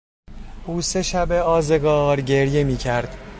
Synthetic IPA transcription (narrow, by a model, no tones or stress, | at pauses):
ʔuːse̞ʃæbeɒːze̞ɡɒːɾɟe̞ɾje̞miːcʰæɾd̪̥